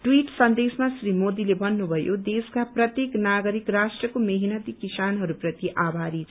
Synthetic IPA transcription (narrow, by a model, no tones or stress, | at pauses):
ʈwiʈsʌnd̪esmasrimod̪ilebʱʌnːubʱʌjod̪eskaprʌt̪jeknaɡʌɾikrasʈrʌkomeɦinʌt̪ikisanɦʌɾuprʌt̪iʔabʱaɾit͡sʰ